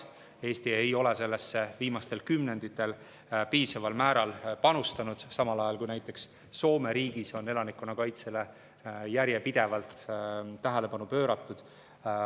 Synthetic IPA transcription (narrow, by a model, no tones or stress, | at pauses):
e̞ːst̪ie̞jo̞le̞se̞lːesːe̞viːmɑst̪e̞lkymne̞nd̪̥it̪ːˑe̞l | piːsɑvɑlmæːɾɑlpɑnust̪ɑnud̪̥sɑmɑlɑjɑlkujnæjt̪ːˑe̞ksː | o̞ːme̞ɾiːɡ̥iso̞ne̞lɑnikːˑunɑkɑjt̪se̞le̞ | jæɾje̞pid̪̥e̞vɑlt̪ːæɦele̞pɑnupø̞ːɾɑt̪ːˑud̪̥